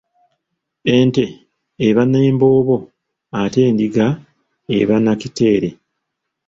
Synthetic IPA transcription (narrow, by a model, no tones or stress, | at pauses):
e̞nte̞ː | βaneːmbo̞ːβo̞ | ate̞ːndiɡa | eβanacite̞ːɾe̞